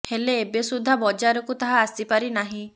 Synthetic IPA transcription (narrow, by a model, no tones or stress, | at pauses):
heleːbesud̪ʱabɔd͡ʒaɾɔkut̪aɦaːsipaɾinaɦĩ